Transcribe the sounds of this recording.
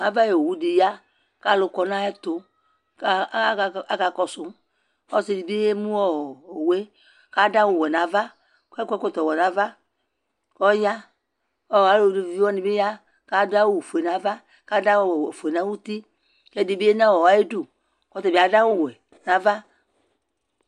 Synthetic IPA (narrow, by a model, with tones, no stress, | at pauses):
a˨va˦je˨o˨wu˦di˨ja˦ | ka˦lʊ˧kɔ˧nã˦ɛ˦t̪ʊ˦˨ | a˦ka˧kɔ˧sʊ˦m | ɔ˦si˨di˨bi˦e˦mũ˦wɔ˦˨o˨we˦ | ka˦da˦wo˨wɛ˨nã˨va˦ | kɛ˦kʷɛ˦kʷɔ˦t̪ɔ˨wɛ˨nã˨va˦ | kɔ˦ja˦ | ɔ˦wa˨lo˦˨de˨vi˦wɔ˦nĩ˨be˦ja˦ | ka˦da˦wo˦˨fo˨e˨nã˨va˦ | ka˦da˦wfo˨e˨nã˨˦wu˦t̪i˦ | kɛ˦di˨bi˦e˦nã˦wɔ˨wa˦e˦du˦˨ | kɔ˦t̪ɔ˨bi˨a˨da˦wo˦˨wɛ˨ | nã˨va˦